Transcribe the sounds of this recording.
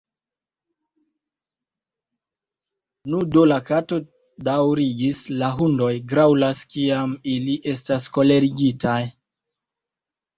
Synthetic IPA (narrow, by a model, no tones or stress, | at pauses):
nudolakato̞ | dawɾiɡislaɦundo̞jɡɾawlaskiamiliʔe̞stasko̞le̞ɾiɡitaj